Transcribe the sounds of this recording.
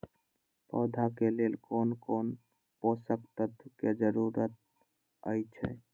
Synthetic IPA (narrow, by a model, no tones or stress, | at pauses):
pɔːd̪ʱakeleːlkoːnkoːn | posəkt̪ət̪ked͡ʒəɾuɾət̪̚ | ə̰jt͡ʃʰɛ̰